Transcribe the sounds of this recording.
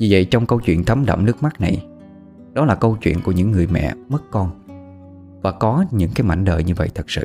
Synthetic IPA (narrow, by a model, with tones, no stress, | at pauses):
ɲɨ˧və̰˧˨jt͡ɕɔ˧wŋ͡mkə˧wt͡ɕwḭ˧˨ənt̪ʰə˨˦mɗə̰˧˨wŋ͡mnɨ˦˥ək̚ma˦˥k̚na˨˩j | ɗɔ˨˦laː˨˩kə˧wt͡ɕwḭ˧˨ənku˧˩əɲɨ̰˧˥ŋːɨ˨˩əjmɛ̰˧˨mə˦˥t̚kɔ˧n | vaː˨˩kɔ˨˦ɲɨ̰˧˥ŋkaː˨˦jma̰˧˩jŋ̟ɗə̰ː˧˨jɲɨ˧və̰˧˨jt̪ʰə˨˩k̚sɨ̰˧˨